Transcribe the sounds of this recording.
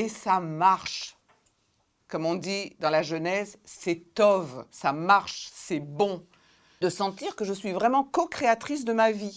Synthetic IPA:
esamaʁʃ | kɔmɔ̃d̪id̪ɑ̃laʒənɛsːɛt̪ɔvsamaʁʃsɛbɔ̃ | d̪əsɑ̃t̪iʁkəʒəsɥivʁɛmɑ̃kɔkχeat̪χis̬d̪əmavi

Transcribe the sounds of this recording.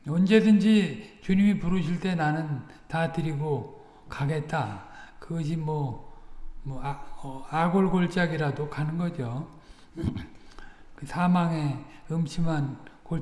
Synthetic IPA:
ʌnd͡ʑe̞dɯnd͡ʑit͡ɕuɲimipuɾɯɕ̬ʰiɭt͈e̞nanɯn | tatɯɾiɡo | kaɡe̞t̚t͈akɯɡʌɕ̬ʰimwʌ | mʌʌaɡoɭɡoɭt͡ɕ͈aɡiɾadokanɯnɡʌd͡ʑo | kɯsʰamaŋe̞ɯmɕʰimanko

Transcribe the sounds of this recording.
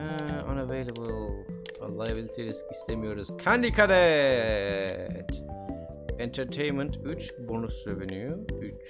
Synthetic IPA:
a̰navejlˠebɯlˠ | lˠajabilʲˠit̪ʰeɾiskist̪ʰemijo̞ɾuz̥kʰand̪ikʰad̪ɛ | t̪ | ɛnt̪ʰɛɾt̪ʰejnmɛnt̪yt͡ʃbonusɾevenyjuyt͡ʃ

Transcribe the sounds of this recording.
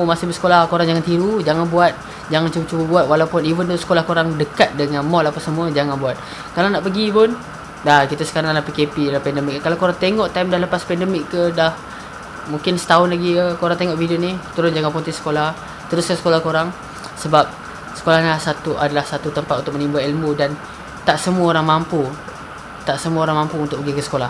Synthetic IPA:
masɪhbəsə̥kolahkoɾaŋd͡ʒaŋant̪iɾud͡ʒaŋanbuat̪̚ | d͡ʒaŋant͡ʃubət͡ʃubəbuat̪̚walapʊnivənt̪usə̥kolahkoɾaŋdəkat̪̚dəŋanmɔlapəsəmuəd͡ʒaŋanbuat̪̚ | kalanaʔpəɡipʊn | dakit̪asə̥kaɾaŋlapikepidalapɛndəmɪk̚ːəkalakoɾaŋt̪eŋɔʔt̪ajmdaləpaspɛndəmɪkːədah | mũŋkɪnsə̥t̪aʊnlaɡiəkoɾaŋt̪eŋɔʔvidionit̪uɾʊnd͡ʒaŋanpunt̪ɪsə̥kolah | t̪əɾʊskasə̥kolahkoɾaŋ | səbap̚ | sə̥kolahnasat̪uʔadalahsat̪ut̪əmpat̪̚unt̪ʊkmənimbailmudan | t̪aʔsəmuəoɾaŋmampu | t̪aʔsəmuəoɾaŋmampuunt̪ʊʔpəɡikəsə̥kolah

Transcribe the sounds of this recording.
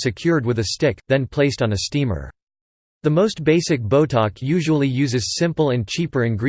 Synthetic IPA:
sɨkʰj̥ʊɹd̚wɨðɨstɪk̚ðɨ̃npʰl̥eɪstn̩ɨstĩmə̰˞ | ðɨmoʊst̚b̥eɪsɨk̚b̥oʊtʰɑkʰjʉʒəl̩ˠijʉzɨz̥sɪ̃mpl̩ˠɨ̃nt͡ʃʰipə˞ɨ̃nɡɹ

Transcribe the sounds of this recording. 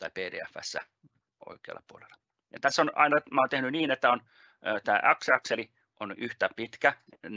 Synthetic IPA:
t̪ɑipeːdḛːæfːæ̰sːæ̰ | o̰ikeɑ̰lːɑpuolḛlːˑɑ̥ | jɑt̪æsːonɑ̰inɑmɑːnt̪ehnyniːnet̪ːæon | t̪æːʔɑksɑkseli | ʔonyht̪æpit̪kæ

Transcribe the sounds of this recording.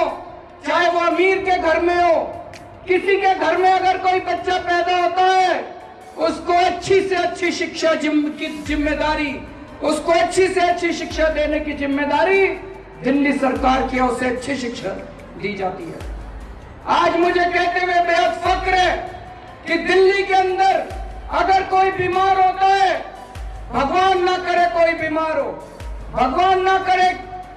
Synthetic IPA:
t͡ʃaːɦeʋoɐmiːɾkeɡʱɐɾmẽɦoː | kɪsikeɡʱɐɾmẽɐɡəɾkoːibɐtːʃʰapɛːd̪aɦoːt̪aɦɛː | ʊskoɐtːʃʰiseɐtːʃʰiʃɪkʃad͡ʒɪkizɪmːed̪aːɾi | ʊskoɐtːʃʰiseɐtːʃʰiʃɪkʃad̪eːnekizɪmːed̪aːɾi | d̪ɪlːisɐɾkaːɾkiɔːseɐtːʃʰiʃɪkʃa | d̪iːd͡ʒaːt̪iɦɛ̰ː | aːd͡ʒmʊd͡ʒʱekɛɦt̪eɦebeːɦət̪fɐkɾɦɛː | kid̪ɪlːikeɐ̃nd̪əɾɐɡəɾkoːibiːmaːɾɦoːt̪aɦɛː | bʱɐɡwaːnːɐkɐɾekoːibiːmaːɾɦoː | bʱɐɡwaːnːɐkəɾe

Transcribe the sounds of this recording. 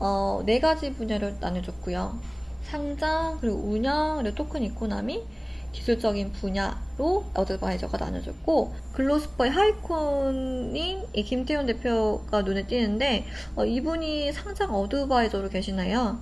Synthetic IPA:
ʌne̞ɡad͡ʑipuɲaɾɯna̰nɯd͡ʑʌk͈ujoʌ̰ | sʰaŋd͡ʑaŋkɯɾiɡo̰uɲʌŋɯɾɯt͈okʰɯnikʰona̰mi | kisʰuɭt͡ɕ͈ʌɡinpuɲaɾojʌdɯbaid͡ʑʌɡana̰nɯ̰d͡ʑʌ̰t̚k͈o | kɯɭːos͈ʰɯ̥pʰʌiɦaikʰonːi | ekimtʰeonde̞pʰjoɡ̥anone̞t͈inɯnde̞ | ʌibuɲisʰaŋd͡ʑaŋʌdɯbaid͡ʑʌɾoke̞ɕʰinejo

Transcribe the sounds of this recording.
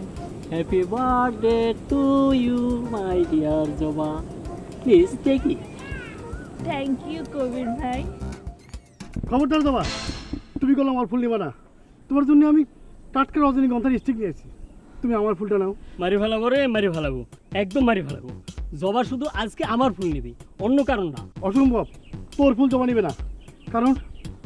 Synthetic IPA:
hɛpibaɾɖeʈujumajɖijaɾd͡ʒɔbaplizt̪eki | t̪ʰɛŋkjukobinbʱaj | kʰɔboɾd̪aɾzɔba | t̪umiɡɔloamaɾpʰulnibana | t̪omaɾzonːeamiʈaʈkaɾɔzaniɡɔnt̪ʰaɾisʈʰiknijajt͡ɕʰi̥t̪umiamaɾpʰulʈanɛomaɾibʱalabɔɾemaɾibʱalabṵɛk̚d̪ɔmːaɾibʱala̰bṵzɔbaʃud̪ʱuʔad͡zkeamaɾpʰulnibiɔnːokaɾonːa̰ɔʃɔmbʱɔb̚t̪oɾpʰulzɔbanibenakaɾon

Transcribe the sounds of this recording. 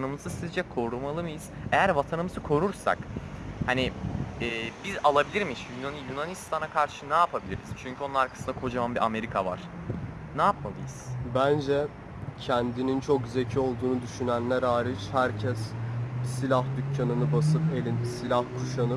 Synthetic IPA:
nɯmɯzɯsizd͡ʒɛkʰo̞ɾumalˠɯmɯjiz̥ejæɾvat̪ʰanɯmɯzɯkʰo̞ɾuɾsa̰khaniɛːbizalˠabilʲiɾmiiʃjunanjunanist̪ʰanakʰaɾʃɯnaːpʰabilʲḭɾḭzt͡ʃʰyɲcʰyo̞nunaɾkʰḁsɯnd̪akʰo̞d͡ʒamambiʔame̞ɾikʰava̰ɾ̥ | naːpmalˠɯ̰jɯz̥bænd͡ʒɛ | cʰɛnd̪inint͡ʃʰokzecʰio̞lˠd̪uːnud̪yʃynænlʲæɾaːɾit͡ʃhæɾcʰɛssilʲahd̪ycʰːanɯnɯbasɯpe̞lʲinsilʲahkʰuʃanɯ

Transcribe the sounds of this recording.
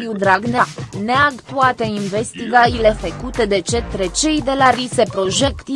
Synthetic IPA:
iud̪ɾaɡnaneaɡt̪uat̪e̞inve̞st̪iɡailefəkut̪e̞d̪e̞t͡ʃe̞t̪ɾe̞t͡ʃe̞jd̪e̞laɾise̞pɾo̞ʒekt̪i

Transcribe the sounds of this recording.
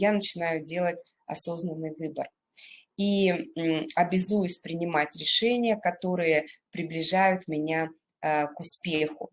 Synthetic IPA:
janət͡ɕɪnajʊdʲe̞lˠətʲ | ɐ̰so̞znənːɨjvɨbə̰r | i | ɐbʲɪzujʊsʲpɾʲɪnʲɪmatʲɾʲɪʂɛnʲɪjəkɐt̪o̞ɾɨjəpɾʲɪblʲɪʐajʊt̪mʲɪnʲa | kʊspʲexʊ̰

